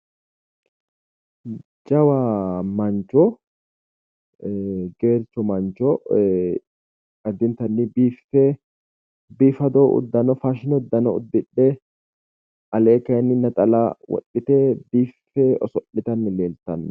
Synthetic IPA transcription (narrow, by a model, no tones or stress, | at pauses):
d͡ʒɐwamɐnt͡ʃːɔ | ɡe̞ːɾt͡ʃːɔmɐnt͡ʃːɔ | ɐd̪ːɪnt̪ɐnːɪbiːfːɛ | biːfɐd̪ɔʔʊ̰d̪ːɐnɔfaːʃɪnɔʊd̪ːɐnɔʊ̰d̪ːɪᶑːɛ | ɐleːkɐnːɪnɐt̪ʼɐlawɔ̰ɗːɪt̪ɛbiːfːɛɔsɔʔːɪt̪ɐnːɪleːlt̪ːɐnːɐ